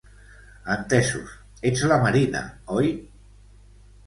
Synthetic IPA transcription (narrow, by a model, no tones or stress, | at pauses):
ant̪esṵs | et͡slamaɾina̰ɔj